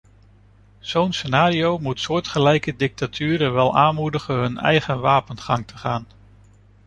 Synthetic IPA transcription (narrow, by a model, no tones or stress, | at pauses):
z̥ownsenaːɾiowmutsʊːɹtχəlɛjkədɪk̚tatʰyːɾəʋɛlˠʔaːnmudəχənɦɵnɛ̰jχənʋaːpənχɑŋtʰəχaːn